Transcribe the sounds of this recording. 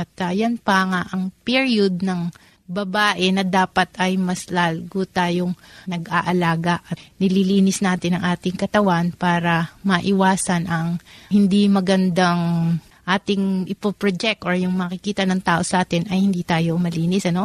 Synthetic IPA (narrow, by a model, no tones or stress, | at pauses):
ʔɐt̪ɐjɐnpɐŋaʔɐŋpiɹiod̪̚nɐŋ | bɐbaːʔɛnɐd̪aːpɐt̪ɐjmɐslaːlɡot̪aːjoŋnɐɡaʔɐlaːɡɐʔɐnɪliliːnɪsnaːt̪ɪnɐŋʔaːt̪ɪŋkɐt̪ɐwanpaːɾɐmɐʔɪwaːsɐnʔɐŋhɪnd̪imɐɡɐnd̪aŋ | ʔaːt̪ɪŋʔɪpopɹod͡ʒɛk̚t̪oɹjʊŋmɐkɪkiːt̪ɐnɐŋt̪aːʔo̞sɐʔaːt̪ɪnɐjhɪnd̪iːt̪aːjo̞mɐliːnɪsɐno̞